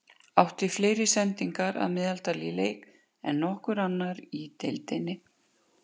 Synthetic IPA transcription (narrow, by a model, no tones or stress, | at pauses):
awht̪ɪfleːjɾɪsɛnt̪iŋkaɾa̰ðmɪːðalt̪alileːjk | ɛ̰nːɔhkʏɾanːaɾit̪ejlt̪ejnɪ